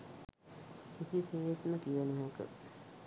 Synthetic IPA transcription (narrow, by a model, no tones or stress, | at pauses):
kisiseːet̪məkijənəɦekə̰